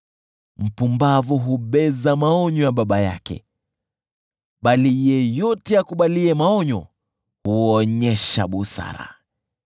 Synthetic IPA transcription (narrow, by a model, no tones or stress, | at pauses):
m̩pumbavuɦuɓɛzamaɔɲɔjaɓaɓaja̰kɛ̰ | ɓalijɛjɔtɛakuɓaliɛmaɔɲɔ | huɔɲɛʃa̰ɓusa̰ɾa̰